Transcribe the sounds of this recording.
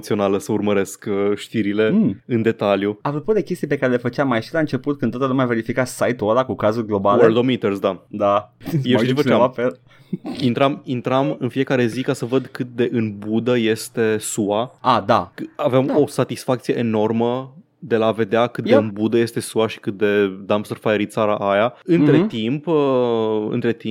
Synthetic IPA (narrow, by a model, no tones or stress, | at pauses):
t̪sio̞naləsəurməɾe̞skʃt̪iɾile̞ɨnd̪e̞t̪aljuapɾoput̪d̪e̞kʲest̪ijpe̞kaɾe̞le̞fət͡ʃamːajʃilaɨnt͡ʃe̞put̪̚kɨnot̪alumʲave̞ɾifikasajt̪uoɾakukazulɡlo̞baleld̪omit̪ersd̪ad̪ajeʃit͡ʃifət͡ʃaafel | int̪ɾamint̪ɾamɨnfie̞kaɾe̞zikasəvəd̪kɨt̪̚d̪e̞ʔɨnbud̪əje̞st̪e̞suaad̪akavemo̞sat̪isfak̚t̪sije̞ʔeno̞rmə | d̪e̞lave̞d̪eakɨt̪eɨnbud̪əje̞st̪e̞suaʃi̥kɨt̪̚d̪e̞d̪amsərfajeɾit̪saɾaʔajaɨnt̪ɾe̞t̪imp | ɨ̰nt̪ɾe̞t̪i